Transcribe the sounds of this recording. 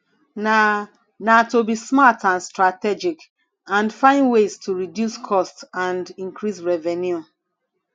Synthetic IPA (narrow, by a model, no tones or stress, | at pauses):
na | natobismatʰãnstɹatɛd͡ʒik | ãnfãɪ̃ndwestʰuɹidjuskʰɔstãndĩŋkɹisɹɛvɛnju